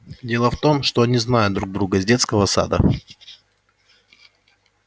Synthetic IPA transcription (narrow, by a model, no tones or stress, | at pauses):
dʲe̞lˠəft̪o̞mʂt̪oɐnʲiznajʊt̪d̪ɾuɡ̚d̪ɾuɡəzʲdʲe̞t̪skəvəsa̰d̪ə̰